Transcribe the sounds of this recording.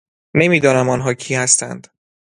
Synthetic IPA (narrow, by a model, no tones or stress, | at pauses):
ne̞miːd̪ɒːnæmɒːnɦɒːcʰiːhæst̪æ̰nd̪̥